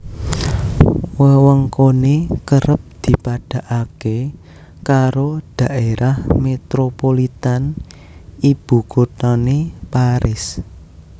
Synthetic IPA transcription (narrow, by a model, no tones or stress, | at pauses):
wəwəŋkonekəɾəp̚d̪̥i̤paɖ̥a̤ʔake | kaɾod̥a̤ʔeɾʔahmet̪ɾopolit̪an | ib̥ṳɡ̥ot̪ɔnepaɾɪs